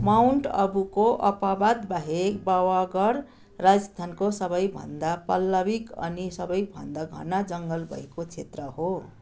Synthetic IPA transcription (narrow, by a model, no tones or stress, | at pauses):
mawɳʈʌbukoʔʌpabad̪baɦekbawaɡʌr | rad͡zʌst̪ʰankosʌbʌjbʱʌ̰nd̪apʌlːʌbikʌ̰nisʌbʌjbʱʌ̰nd̪aɡʱʌ̰nad͡zʌŋɡʌlbʱʌ̰ekot͡sʰet̪rʌɦo